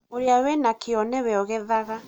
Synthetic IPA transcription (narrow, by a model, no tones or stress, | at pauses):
oɾjawɛnakeɔnɛwɛɔɣɛðaɣa